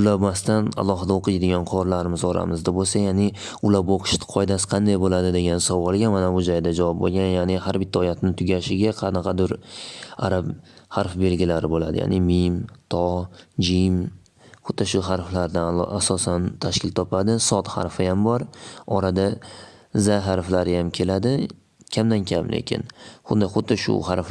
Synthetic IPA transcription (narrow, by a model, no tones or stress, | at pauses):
ʊlˠamast̪ana̰lˠɒɦɪd̪aoqʰɨjd̪ɪɡʲɒnqʰɒɾlaɾɪmɪzɒɾa̰mɪzd̪abolsajaːnɪ | ʊlabɒqʰʊ̥ʃt̪ɪ̥qʰɒjd̪asɪ̥qʰɑnd̪ajbolad̪ɪd̪e̞ɡʲansɒvɒlˠɡʲamanabʊd͡ʒɒjd̪ad͡ʒavɒp̚bo̰lˠɡʲanjanɪhaɾbɪt̪ʰːaɒjat̪ʰnɪt̪ʰʊɡʲaʃɪɡʲaqʰɑnɑqʰɑd̪ʊɾaɾabhaɾfbe̞lɡʲɪlaɾɪbola̰d̪ɪ̰ja̰ːnɪmimt̪ʰɒd͡ʒim | χʊd̪̚ːaʃʊɦaɾflaɾd̪aasɒsant̪ʰaʃkʲɪlt̪ʰɒpʰad̪ɪsɒt̪ha̰ɾfɪjambɒɾɒɾad̪a | zaɦaɾflaɾɪjamkʲʰe̞lad̪ɪ | kʲʰamd̪ankʲʰamlʔḛkʲʰɪ̰nχʊd̪axʊd̪d̪ɪʃʊ̰haɾf